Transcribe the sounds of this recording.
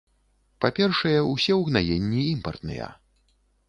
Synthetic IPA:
papʲɛrʂɐjɛusʲɛwɣnajenʲːiimpɐrt̪nɨ̰jɐ̰

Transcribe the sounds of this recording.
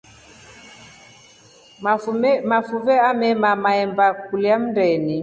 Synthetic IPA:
mafuvɛamɛmamaɛmbakuliam̩ndɛni

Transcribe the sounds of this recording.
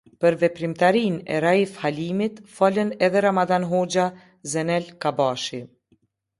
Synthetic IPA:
pəɾvɛpɾimt̪aɾinɛ̰ɾaifhalimit̪falənɛðɛɾamaðanɦɔd͡ʒa | zɛnɛlkabaʃi

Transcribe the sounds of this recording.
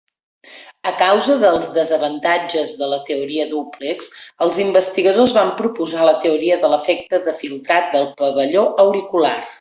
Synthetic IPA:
əkawzəðəlˠzðəzəβənt̪ad͡ʒəzðələt̪əuɾiəðupliksəlˠzimbəst̪iɣəð̞ozβampɾupuzalət̪əuɾiəðələfɛk̚t̪əðəfilˠt̪ɾat̪̚d̪əlˠpəβəʎoʔəwɾikula̰r

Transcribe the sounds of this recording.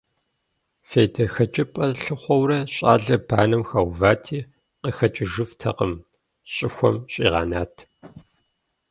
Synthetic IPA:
feːdɐxɐt͡ʃʼɪpʼɐrɬɨχʷɔwrɐɕʼa̰ːɮɐb̥ʰaːnɨmxaːwvaːtʰiː | qəxɐt͡ʃʼɪʒɨftʰɐqəm | ɕʼɪxʷɔ̰mɕʼḭːʁɑ̰ːnaːtʰ

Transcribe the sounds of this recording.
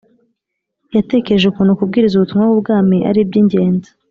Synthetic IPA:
jate̞keʒukuːnhukub̚ɡiːɾizuβutumŋwawubɡaːmiʔa̰ɾib̚ɟiːɲɟe̞ːndḁ

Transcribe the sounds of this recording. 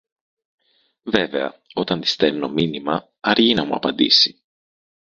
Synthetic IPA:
ve̞ve̞ɐ̰o̞t̪ɐnd̪i̥st̪elno̞minimɐ | ɐɾʝinɐmuɐ̰pɐnd̪ḭsi̥

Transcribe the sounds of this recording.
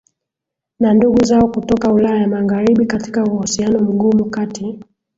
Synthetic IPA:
nanduɡuzaɔkutɔkaulajajamaɣaɾiɓikati̥kauhusianɔm̩ɡumukati

